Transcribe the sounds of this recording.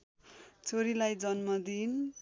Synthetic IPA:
t͡sʰoɾilajd͡zʌnmʌd̪in

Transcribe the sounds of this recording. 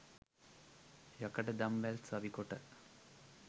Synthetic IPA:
jɐkɐʈəd̪ɐmʋɛlsɐʋikoʈə

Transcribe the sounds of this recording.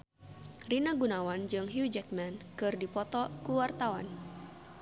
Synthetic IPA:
rinaɡunawand͡ʒɨŋɦiud͡ʒɛk̚mɛnkɨrdipɔt̪ɔkuwart̪awa̰n

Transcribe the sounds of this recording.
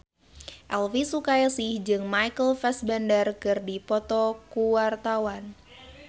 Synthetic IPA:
ʔɛlfisukajasɪhd͡ʒɨŋmajkəlfɛsbandərkɨrdipɔt̪ɔkuwart̪awan

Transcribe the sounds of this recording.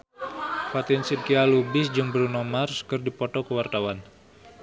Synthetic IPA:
fat̪ɪnsid̚kialubɪsd͡ʒɨŋbəɾunɔmarskɨrdipɔt̪ɔkəwart̪awan

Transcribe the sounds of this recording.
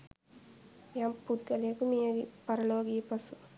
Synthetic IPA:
jampːut̪̚kɐlekumijɐɡipɐɾɐloːɡiːpɐsu

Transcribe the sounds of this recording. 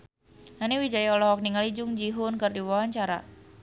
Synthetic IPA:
naniwid͡ʒaiɔlɔɦɔk̚niŋalid͡ʒʊŋd͡ʒiɦʊnkərdiwawaɲt͡ʃaɾa̰

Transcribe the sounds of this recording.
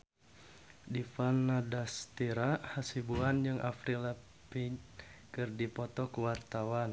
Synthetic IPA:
difanːadast̪iɾahasibuand͡ʒɨŋʔa̰fɾila | piɲkɨrdipɔt̪ɔkuwart̪awan

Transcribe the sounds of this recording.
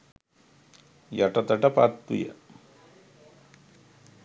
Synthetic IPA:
jɐʈɐt̪ɐʈɐpaːt̪ːṵjɐ̰

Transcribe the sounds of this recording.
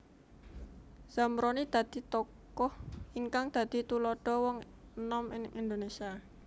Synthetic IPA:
z̥amɾɔnid̪̥ä̤d̪̥i̤t̪ɔk | ɔhiŋkaŋd̪̥ä̤d̪̥i̤t̪ulɔɖ̥ɔ̤wɔŋ | nɔminɪŋʔind̪onesia

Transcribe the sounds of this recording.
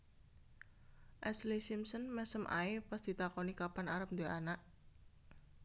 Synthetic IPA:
ʔɛslisimsənmɛsəmʔa̰epasd̪̥it̪akɔnikapanaɾəp̚nd̪əanaʔ

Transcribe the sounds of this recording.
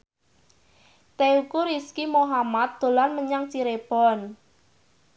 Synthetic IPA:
t̪eukuɾiskimoɦamat̪̚d̪̥o̤lanməɲaŋt͡ʃiɾeb̥ɔn

